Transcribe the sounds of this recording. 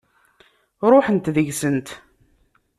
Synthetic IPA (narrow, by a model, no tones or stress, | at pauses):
ɾˤʊħənt̪ðəʝsənt̪